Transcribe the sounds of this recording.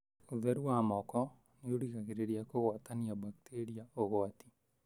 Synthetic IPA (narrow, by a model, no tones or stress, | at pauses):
oðɛɾuwamɔkɔ | neoɾiɣaɣeɾeɾiakoɣwat̪aniabakt̪ʰeɾiaoɣɔat̪i̥